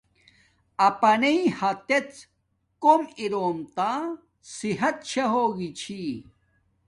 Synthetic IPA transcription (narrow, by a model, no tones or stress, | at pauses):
ɐpɐnejhɐt̪et͡s | komiɾomt̪a | siɦɐt̪̚ɕɐɦoɡit͡ɕʰi